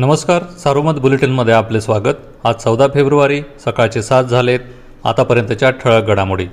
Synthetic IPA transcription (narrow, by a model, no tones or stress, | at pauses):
nəməskaɾsaɾuməd̪buleʈinməd̪ʱːjeaplesʋaɡət̪ | at̪̚t͡səwd̪afebɾuʋaɾiːsəkajt͡sesat̪̚d͡zʱalet̪ | a̰t̪apəɾjənt̪ət͡ɕjaʈʰəɭəɡəɽamuɽi